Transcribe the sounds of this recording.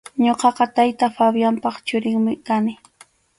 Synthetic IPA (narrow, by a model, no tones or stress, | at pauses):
ɲoqɑqɑt̪ajt̪afabjampɑχt͡ʃʊɾɪŋmɪkanɪ